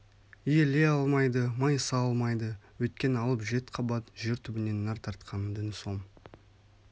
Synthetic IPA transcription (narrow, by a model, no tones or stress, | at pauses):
ije̞le̞ɑlˠmɑjd̪əmɑjsɑɑlˠmɑjd̪əwɵjt̪̚kʲe̞nəɑlˠəpʒe̞t̪qʰɑbɑt̪ʒe̞ɾt̪ʰʏbɪne̞nːɑɾt̪ʰɑɾt̪qʰɑnəd̪ɪnso̞ɴ